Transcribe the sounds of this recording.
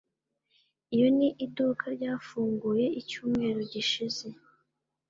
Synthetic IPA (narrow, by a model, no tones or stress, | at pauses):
ijo̞niʔidukʰaɾɟaːfuːŋɡuje̞icuːmŋe̞ːɾoɟiʃize̞